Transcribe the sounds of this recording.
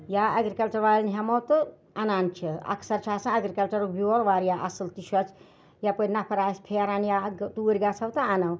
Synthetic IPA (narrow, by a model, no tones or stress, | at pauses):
jaɐɡɾikɐlt͡ʃɐɾʋaɾnɦɐmɐwt̪ɨ | ɐnaːnt͡ʃʰiɐ̰kʰsɐɾt͡ʃʰaːsɐ̃ɐɡɾikɐlt͡ʃɐɾobioɾʋaːɾjaʔɐsɨlt̪iʃʰɐt͡ʃʰ | japəɾnapʰɐɾaːspʰeɾanjat̪uɾʲɡasʰɐwt̪ɐanɐw